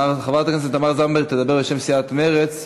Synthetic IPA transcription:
aʁχavaʁt̪aknes̬et̪amaʁzambet̪ed̪abeʁbeʃemsiat̪meʁet͡s

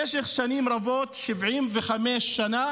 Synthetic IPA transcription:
eʃeχʃanimɾavot̪ʃivʕimveχameʃːana

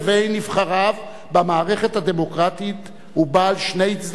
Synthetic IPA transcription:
vejnivχaʁav | bamaːʁe̞χe̞thad̪e̞mo̞kʁatit̪ | hubaːlʃnejit͡sd̪

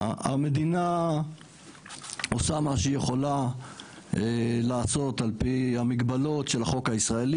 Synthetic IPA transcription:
a̰me̞d̪ina | osamaʃeijeχo̞la | elaːso̞talpihamiɡbalo̞tʃe̞lhaχo̞khaisʁaeli

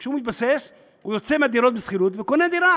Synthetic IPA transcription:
kʃeumit̪bases | hujot͡semad̪iɾo̞t̪besχiɾut̪vekoned̪iɾa

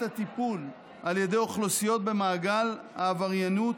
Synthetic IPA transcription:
at̪ipul | ʔalje̞d̪e̞joχlosijo̞t̪̚be̞maːɡalhaːvaʁjanut

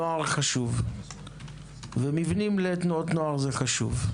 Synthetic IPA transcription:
oaʁχaʃuv | vemivnimletnoot̪noaʁzeχaʃṵv

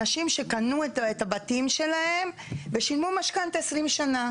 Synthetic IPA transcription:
aʃimʃe̞kanutetabatimʃe̞lahe̞m | ve̞ʃilmumaʃkant̪esʁimʃana

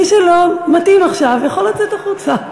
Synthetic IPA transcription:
iʃelomat̪imaχʃavjaχolat͡set̪aχut͡sa

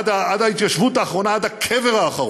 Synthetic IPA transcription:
d̪aad̪ait̪kaʃvut̪aːχʁo̞naad̪akʰeveʁaːχaʁ

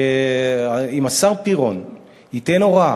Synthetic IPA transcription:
e | imasaʁpiʁo̞n | hite̞no̞ʁa

